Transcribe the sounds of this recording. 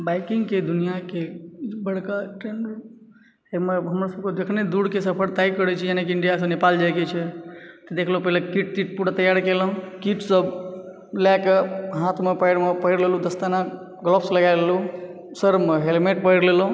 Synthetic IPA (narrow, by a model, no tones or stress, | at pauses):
baɪkiŋɡked̪unijakebəɽkaʈɾenɖo | emeɦəmɾasəb̚kod̪ekʰned̪uɽkesəpʰəɾt̪aikəɾɛt͡ʃʰijanekiɪɳɖijas̬ə̃nepald͡ʒaɡet͡ʃʰɛt̪ɔd̪ekʰlopɛɦlekiʈ̚t̪iʈ̚puɽat̪əjaɾkelə̃kiʈsəb | lakeɦãt̪ʰmepaɪɽmepəɦiɽlelud̪əst̪ana | ɡlɔpʰsləɡaɪlelu | səɾmeɦelmeʈ̚pəɦiɽlelu